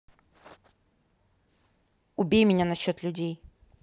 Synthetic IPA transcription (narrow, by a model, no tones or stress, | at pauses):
ʊbʲejmʲɪnʲanɐɕːot̪lʲʉdʲej